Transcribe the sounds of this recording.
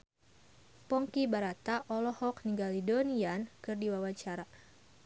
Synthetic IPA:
pɔŋkibaɾat̪aʔɔlɔhɔk̚niŋɡalidoniankɨrdiwawaɲt͡ʃaɾa

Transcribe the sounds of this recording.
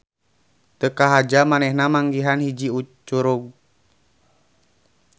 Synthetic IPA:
t̪əkaɦad͡ʒamanɛhnamaŋɡiɦanhid͡ʒiut͡ʃuɾuɡ̚

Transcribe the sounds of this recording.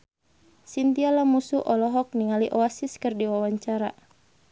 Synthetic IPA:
sint̪ialamusuʔɔlɔɦɔk̚niŋaliʔɔasiskɨrdiwawaɲt͡ʃaɾa

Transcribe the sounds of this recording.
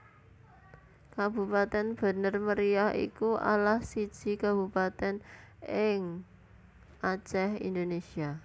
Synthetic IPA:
kab̥ṳpat̪ɛnb̥ə̤nərməɾiahḭkuʔa̰lahsid̥ʒ̥i̤kab̥ṳpat̪ɛn | ɪŋ | ʔat͡ʃɛhḭnd̪onesia

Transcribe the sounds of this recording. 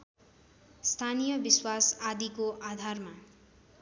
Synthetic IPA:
st̪ʰanijʌbiswasad̪ikoʔad̪ʱarma

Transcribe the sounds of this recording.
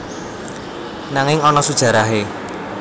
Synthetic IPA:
naŋɪŋɔnɔsud̥ʒ̥ä̤ɾaɦe

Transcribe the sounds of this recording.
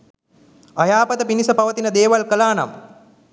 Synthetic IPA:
ajaːpət̪əpinisəpaʋət̪inəd̪eːʋalkəlaːna̰m

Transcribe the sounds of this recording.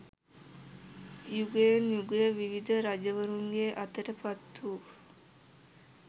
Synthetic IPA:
juɡejenjuɡejəʋiʋid̪əɾad͡ʒəʋəɾuŋɡeːʔɐt̪əʈəpɐt̪ːuː

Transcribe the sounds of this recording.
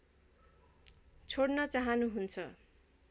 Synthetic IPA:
t͡sʰoɽnʌt͡saɦʌnuɦunt͡sʰʌ

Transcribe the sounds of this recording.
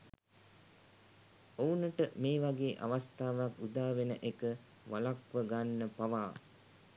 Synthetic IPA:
ounəʈəmeːʋaɡeːʔa̰ʋast̪aːʋakud̪aːʋenəʔekə | ʋalakʋəɡanːəpaʋaː

